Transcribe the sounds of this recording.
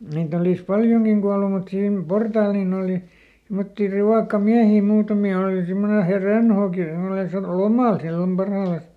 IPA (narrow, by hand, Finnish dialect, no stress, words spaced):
niːt olis pɑljoŋkiŋ ɡ̊uɑlu mut siːm portɑːl nin oˑli simːotːi riʋɑˑkːɑmiæhiˑ muːtɑmi oˑli simːone he rønhoːki semːone sɑtu lomɑˑl silːom pɑrhɑːlɑs